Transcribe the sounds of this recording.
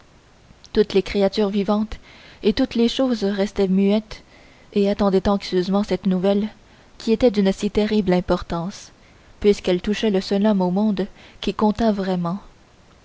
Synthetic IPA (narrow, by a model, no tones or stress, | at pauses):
t̪ut̪lekχeat̪yːʁvivɑ̃t̪et̪ut̪leʃoːzʁɛst̪ɛmyɛt̪ | eat̪ɑ̃d̪ɛt̪ɑ̃ksjøzmɑ̃sɛt̪nuvɛl | kʲiet̪ɛd̪ynsit̪eʁiblɛ̃pɔʁt̪ɑ̃s | pɥiskɛlt̪uʃɛləsœlɔmomɔ̃d̪kʲikɔ̃t̪avʁɛmɑ̃